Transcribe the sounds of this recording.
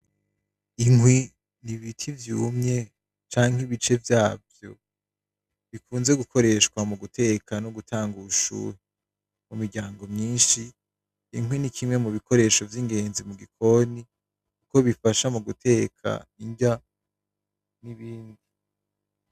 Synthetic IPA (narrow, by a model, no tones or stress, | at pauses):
iŋwi | niβitʰivjuːmɲe̞ | t͡ʃaːŋ̥hiβit͡ʃe̞vjaːvjo̞ | βikʰuːnze̞ɡukʰo̞ɾe̞ʃkwamuɡutʰe̞kʰanoɡutʰaːŋɡuuʃṵːɾi | mumiɡɟaːŋɡo̞mɲiːnʃiː | ŋwinikʰimŋe̞muβikʰo̞ɾe̞ːʃo̞vjiŋɡe̞ːnzimuɡikʰo̞ni | kuko̞βifaʃamuɡutʰe̞ːkʰa̰iɲɟa | niβiːndi